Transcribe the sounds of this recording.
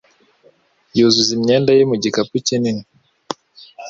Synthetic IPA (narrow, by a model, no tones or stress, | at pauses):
juzuzimɲɛndajimuɟikaput͡ʃinini